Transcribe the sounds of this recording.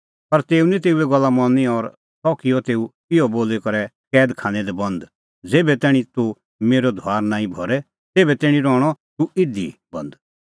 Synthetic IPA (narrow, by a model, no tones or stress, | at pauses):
pɐɾt̪eːunɛ̃t̪eːuɛɡɐlːamɔnːiɔɾ | sɔːkijɔt̪eːu | ɪjɔboːlekɐɾɛ | kɛːd̪kʰãːñɛd̪ɛbɐ̃nd̪ | d͡zeːbɛt̪ɛːɽ̃it̪u | meːɾɔd̪ʱwaːɾnãːĩbʱɔɾɛ | t̪eːbɛt̪ɛːɽ̃ĩɾɔːɽ̃ɔt̪uɪd̪ḭbɐ̃nd̪